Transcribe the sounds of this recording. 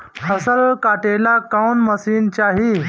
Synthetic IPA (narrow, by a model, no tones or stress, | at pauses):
həsəlkaʈelakawnməsiːnt͡ɕaɦi